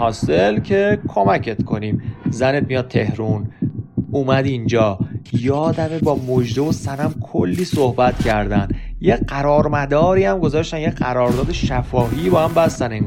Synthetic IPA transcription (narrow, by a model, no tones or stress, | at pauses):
hɒːselcʰe̞kʰo̞mæcʰe̞t̪kʰo̞niːmzænet̪̚mijɒːd̪̚t̪ʰe̞hɾun | uːmæd̪ind͡ʒɒːjɒːd̪æmebɒːmod͡ʒd̪evosænæmkʰolːiːsohbæt̪cʰæɾd̪ænd̪jeɢæɾɒːɾmæd̪ɒːɾiːæmɡo̞zɒːʃt̪ænjeɢæɾɒːɾd̪ɒːd̪eʃæfɒːɦiːbɒːhæmbæst̪æneŋ